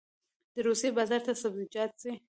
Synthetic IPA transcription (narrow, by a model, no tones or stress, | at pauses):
d̪̥əɾusjebazaɾt̪asabzɪd͡ʒɑt̪̚si